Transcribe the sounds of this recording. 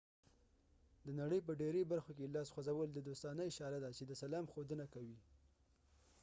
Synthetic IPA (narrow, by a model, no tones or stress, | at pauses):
d̪ənaɽəjp̬əɖeɾebaɾxok̬elɑsxwazawəld̪əd̪ost̪ɑnəjʃɑɾad̪at͡ʃed̪əsalɑmxod̪ənakawi